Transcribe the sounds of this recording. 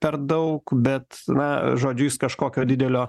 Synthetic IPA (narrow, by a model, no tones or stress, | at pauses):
pʲɛɾd̪ɐʊkbʲɛt̪nɐʒoːd͡ʒʲʊɪskɐʃkoːkʲoːd̪ʲɪd̪ʲɛlʲoː